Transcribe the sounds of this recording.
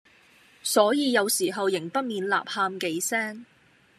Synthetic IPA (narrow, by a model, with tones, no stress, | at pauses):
sɔː˨˥jiː˨˧jɐ˨˧wsiː˨˩ɦɐ˨wjɪ˨˩ŋpɐ˥t̚miː˨nla̰ː˨p̚haː˧mke˨˥jsɛː˥ŋ